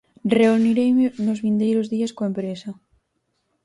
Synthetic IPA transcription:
reuniɾejmɪnʊzβind̪ejɾʊzðiɐskoempɾesɐ

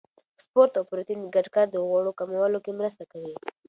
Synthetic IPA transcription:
spoɾt̪awpɾot̪inɡaʈkaɾd̪əɣaɽokamawalokemɾəst̪akawi

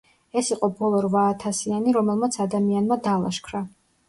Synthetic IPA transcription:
ɛsiqʼɔbɔlˠɔɾvaːt̪ʰasianiɾɔmɛlˠmat̪sʰad̪amianmad̪aːlˠa̰ʃkʰɾa

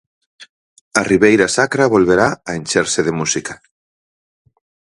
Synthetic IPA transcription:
ariβejɾasakɾaβolβeɾaaenʲt͡ʃeɾseðemusika

